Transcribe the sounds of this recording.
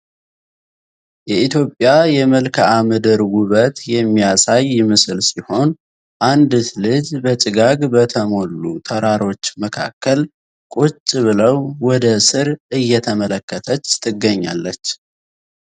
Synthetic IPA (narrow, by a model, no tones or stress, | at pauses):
jɛit̪jo̞pʼjajɛməlkʰəamɨd̪əɾwʊβət̪jɛmːijasajːɪmɨsɨlsiho̞n | ʔand̪t̪lɨd͡ʒbət͡ʃʼɨɡaɡbət̪ʰəmo̞lːut̪ʰəɾaɾo̞t͡ʃːməkʰa̰kːəl | kʼut͡ʃʼːɨβɨləwwɔd̪əsɨɾɨjːɛt̪ʰəmələkːət̪ʰət͡ʃːt̪ʰɨɡːəɲːa̰lːət͡ʃː